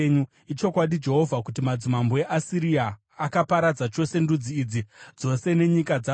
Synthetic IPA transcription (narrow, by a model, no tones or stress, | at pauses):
ɲu | it͡ʃo̞kwaɗid͡ʒe̞ɦo̞vʱakutimad͡zimamboe̞ʔasiɾiaː | kapaɾad͡zat͡ʃo̞se̞ndud͡ziːd͡zid͡zo̞se̞ne̞ɲikad͡za